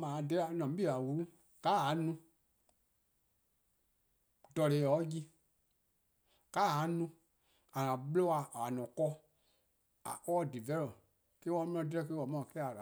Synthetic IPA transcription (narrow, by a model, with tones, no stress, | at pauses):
mã˨da˦˨nɔ̃˨m˦bi˦˨a˨wu˧ɾu˦ | ka˦˨a˨˦nũ˧ | dɔ˨le˨ɔ˦ji˦ | ka˦˨a˨˦nũ˧ | a˨ŋã˨ɓlo˦a˧˨a˨nɔ̃˨kɔ˦ | a̰˨kɔ˦˨di˨vɛ˦lɔ˨ | ke˦wã˧˦m˦ɔ̃˧˦dɾɛ˦ke˦wɔ˨mã˦˨kɛ˦a˨la˨